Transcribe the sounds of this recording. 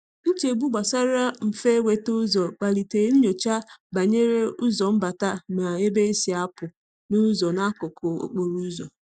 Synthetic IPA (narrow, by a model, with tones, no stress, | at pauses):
n̩˦t͡ʃe˨ɡ͡bu˦ɡ͡ba˨sa˦ɾa˦m̩˨fe˦we˨tʊ˦zɔ˨k͡pa˨li˨te˨˦n̩˦ɲo˨t͡ʃa˦ba˨ɲe˦ɾe˦ʊ˦zɔ˨m̩˦ba˨ta˦ma˨e˦be˦e˦si˨a˦pʊ˨ | nu˦zɔ˨na˦kʊ˨kʰʊ˨o̰˨k͡po˨ɾu˦zɔ˨